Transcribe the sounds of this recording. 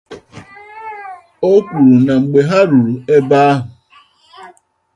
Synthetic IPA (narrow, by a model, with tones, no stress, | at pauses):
o˦kʷu˨ɾu˨na˨ŋ͡m̩˨ɡ͡be˨ɦa˦ɾu˨ɾu˨e˦ba˦a˦ɦʊ˨